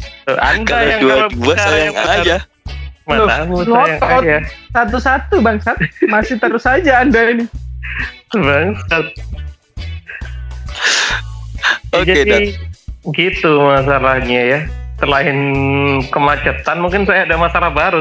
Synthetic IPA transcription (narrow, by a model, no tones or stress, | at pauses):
t̪ua̰ndajaŋkalaaɾaaŋa | manamuŋɔjaŋɔajasat̪̬usat̪ubaŋsat̪masɪht̪əɾʊsad͡ʒaːndainɪ | baŋsat̪̚ | od͡ʒadi | ɡit̪umas̬alahɲajat̪ərlaɪnkəmat͡ʃət̪anmuŋkɪnsajaːdamasalahbaɾu